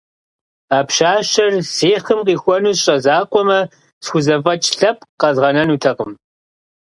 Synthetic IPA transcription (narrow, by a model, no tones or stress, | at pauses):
aːpʃaːʃɐrseːχəmqiːxʷɔnuːɕʼɐzaːqʷʼɔmɐ | sxʷʊzɐfʼɐt͡ʃʼɬɐp̚ʼqɐzʁɐnɐnuːtʰɐqəm